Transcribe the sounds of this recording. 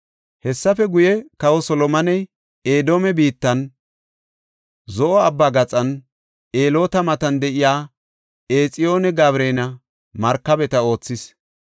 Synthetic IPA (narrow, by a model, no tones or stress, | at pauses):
hɛsːɐfɛɡʊjɛkɐwɔsɔlɔmɐnɛj | eːd̪oːmɛbiːt̪ːɐn | zɔʔɔɐbːaːɡɐt͡sʼɐn | eːlo̞ːt̪ɐmɐt̪ɐnd̪ɛʔɪjaː | eːt͡sʼɪjo̞ːnɛɡaːβɾeːnɐ | mɐɾkːɐbɛt̪ɐo̞ːt͡sːɪs